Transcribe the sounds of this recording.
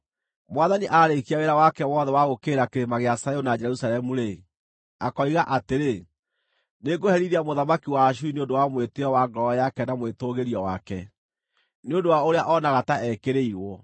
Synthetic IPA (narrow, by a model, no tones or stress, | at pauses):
mwaðaniʔaɾekiaɣeɾawakɛwɔðɛwaɣokeːɾakeɾemaɣeasajonad͡ʒɛɾusalɛmuɾe | akɔiɣaʔateɾe | neɡohɛɾiɾiamoðamakiwaːʃ̬uineondowamweteɔwaɡɾɔɔjakɛnamwetoɣeɾiɔwakɛ | neondowaoɾeaʔɔnaɣataʔɛkeɾeiɾwɔ